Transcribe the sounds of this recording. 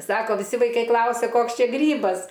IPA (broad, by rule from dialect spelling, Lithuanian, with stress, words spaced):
ˈsɑːkoː ʋʲɪˈsʲɪ ʋɐɪˈkɐɪ ˈklˠɐʊsʲɛ ˈkoːks ˈt͡ʃʲɛ ˈɡrʲiːbɐs